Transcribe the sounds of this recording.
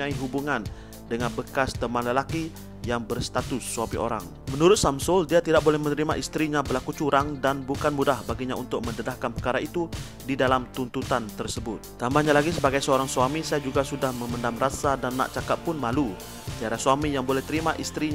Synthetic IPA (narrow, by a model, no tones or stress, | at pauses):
aiɦubuŋan | dəŋanbəkast̪əmanləlaki | jaŋbərst̪at̪ʊsːuamḭʔo̰ɾa̰ŋ | mənuɾʊt̪̚samsʊldiat̪idaʔ̚bolɛhmənəɾimaʔist̪ɾiɲabəlakut͡ʃuɾaŋdanbukanmudahbaɡiɲaunt̪ʊk̚məndədahkanpərkaɾait̪u | didalamt̪unt̪ut̪ant̪ərsəbʊt̪̚t̪ambahɲalaɡisəbaɡajsəoɾaŋsuamisajad͡ʒuɡasudahməməndamrasadanːa̰ʔt͡ʃakap̪̚pʊnmalu | t̪iaɾasuamijaŋbolɛht̪əɾimaʔist̪ɾiɲ